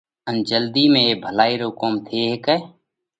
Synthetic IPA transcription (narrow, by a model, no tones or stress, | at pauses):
ənd͡ʒəld̪iːmẽːbʱəlaːiːɾoːkoːmt̪ʰeːɦekɛː